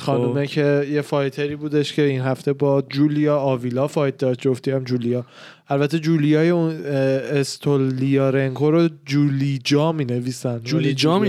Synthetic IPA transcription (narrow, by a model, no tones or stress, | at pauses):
xɒːumecʰe̞jefɒːjt̪ʰe̞ɾiːbuːd̪e̞ʃcʰe̞inɦæft̪e̞bɒːd͡ʒuːlijɒːɒːvilɒːfɒːjd̪̚ɒɾt̪d͡ʒoft̪iæmd͡ʒuːlijɒː | ælbæt̪ʰːed͡ʒuːlijɒːjeunest̪ʰolːijɒːɾeŋkʰoɾod͡ʒuːlid͡ʒɒːmiːne̞viːsænd̪ulid͡ʒɒm